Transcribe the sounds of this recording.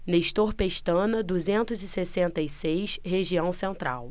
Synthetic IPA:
neʃt̪oɾpeʃt̪ɐ̃nɐd̪uzẽnt̪ʊzɪsesẽnt̪ɐjsejsɦeʒiɐ̃w̃sẽnt̪ɾa̰w

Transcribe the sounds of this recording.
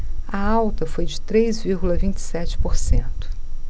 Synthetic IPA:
ɐawt̪ɐfojd͡ʒɪt̪ɾejzviɾɡulɐvĩnt͡ʃɪ̥sɛt͡ʃɪ̥poɾsẽnt̪ʊ̥

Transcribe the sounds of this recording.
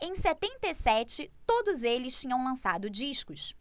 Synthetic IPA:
ẽj̃sɛt̪ẽnt̪esɛt͡ʃɪt̪od̪ʊzelɪst͡ʃĩɲɐ̃w̃lɐ̃sad̪ʊd͡ʒiʃkʊs

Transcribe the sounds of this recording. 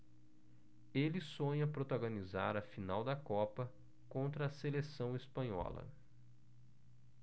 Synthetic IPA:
elɪsõɲɐpɾot̪aɡõniza̰ɾɐfinawd̪ɐkɔpɐ | kõnt̪ɾɐːselesɐ̃w̃espɐ̃ɲɔ̰lɐ̰

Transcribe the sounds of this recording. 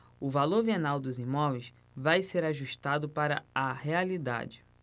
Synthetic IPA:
ʊvaloɾvienawd̪ʊzimɔvejs | vajseɾaʒuʃt̪ad̪ʊpaɾɐ̰ahealid̪a̰d͡ʒɪ

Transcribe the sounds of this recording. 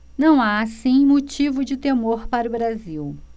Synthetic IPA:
nɐ̃w̃aːsĩmot͡ʃivʊd͡ʒɪt̪emoɾpaɾʊbɾaziw

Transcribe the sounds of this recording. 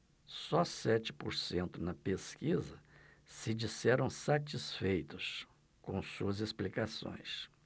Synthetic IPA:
sɔsɛt͡ʃɪ̥poɾsẽnt̪ʊnɐpeskizɐsɪd͡ʒisɛɾɐ̃w̃sat͡ʃisfejt̪ʊs | kõsuɐzesplikasõ̰j̃s

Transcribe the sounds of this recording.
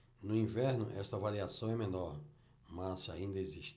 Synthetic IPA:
nʊĩvɛɾnʊ̰ʔɛst̪ɐvaɾiasɐ̃w̃ɛmẽnɔɾ | mɐsa̰ĩnd̪ɐeziʃt̪

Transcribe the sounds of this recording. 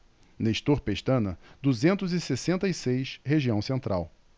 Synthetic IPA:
neʃt̪oɾpeʃt̪ɐ̃nɐd̪uzẽnt̪ʊzɪsesẽnt̪ɐisejʃheʒiɐ̃w̃sẽnt̪ɾʔa̰w

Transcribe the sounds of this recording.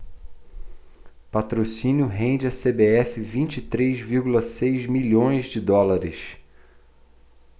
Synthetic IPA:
pat̪ɾosĩnjʊɦẽnd͡ʒɪɐsebeɛfɪvĩnt͡ʃit̪ɾezviɾɡulɐsejzmilõj̃zd͡ʒɪd̪ɔlaɾɪs

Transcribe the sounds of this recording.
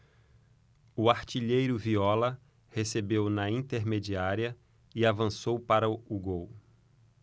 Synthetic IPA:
uaɾt͡ʃiʎejɾʊviɔlɐ | hesebewnɐĩnt̪eɾmed͡ʒiaɾiɐ | ɪavɐ̃sowpaɾɐuɡow

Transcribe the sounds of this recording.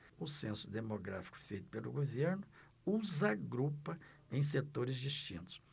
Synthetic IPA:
ʊsẽsʊd̪emoɡɾa̰fi̥kʊ̥fejt̪ʊ̥pelʊ̰ɡoveɾnʊ | uzɐɡɾupɐẽj̃s̬et̪oɾɪzd͡ʒist͡ʃĩnt̪ʊ̥s

